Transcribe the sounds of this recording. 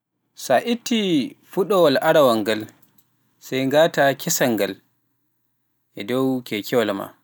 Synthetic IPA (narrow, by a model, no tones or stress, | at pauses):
saʔitːifuɗɔwalʔaɾawaŋɡal | sajŋɡaːtakʰɛsaŋɡal | ʔɛdɔwkʰɛkʰɛwalma̰